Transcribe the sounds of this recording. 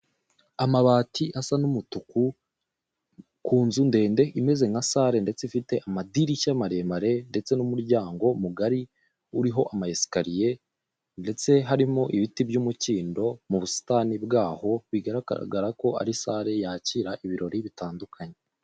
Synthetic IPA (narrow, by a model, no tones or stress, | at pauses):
amaβaːtʰiʔasanumutuku | kuːnzunde̞ːnde̞ʔime̞ze̞ŋasaːɾe̞nde̞t͡seifite̞ʔamadiɾiʃamaɾe̞maɾe̞nde̞t͡se̞numuɾɟaːŋɡo̞muɡaɾi | uɾiɦo̞ʔamajesi̥kaɾije̞ | nde̞t͡se̞ɦaɾimo̞ʔiβitibɟumuciːndo̞muβusi̥taːnibɡaːho̞βiɡaɾa̰ɡaɾako̞a̰ɾisaːɾe̞jaːciːɾaʔiβiɾo̞ɾiβitaːndukʰaɲe